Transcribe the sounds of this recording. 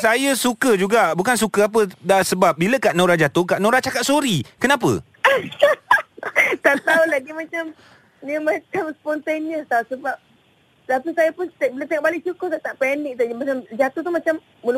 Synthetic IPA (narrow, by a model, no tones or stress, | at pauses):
sajəsukəd͡ʒuɡaʔbukans̬ukəap̬ədaʔsəbap̚biləkaʔnõɾad͡ʒat̪ʊkaʔnõɾat͡ʃakat̪̚soɾikənãp̬ə̰ | t̪aʔt̪aulaɡimãt͡ʃam | nəmãt͡ʃamspɔnt̪eniəst̪ausəbap̚ | lapisajapʊnt̪bilat̪eŋoʔ̚balɪʔ̚t͡ʃukʊt̪aʔt̪aʔpɛnik̚t̪uəmat͡ʃamd͡ʒat̪uht̪umat͡ʃamːul